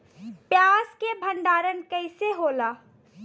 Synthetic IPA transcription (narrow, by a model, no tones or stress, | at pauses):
pjaːskebʱəɳɖaːɾənkəɪseɦoːlaː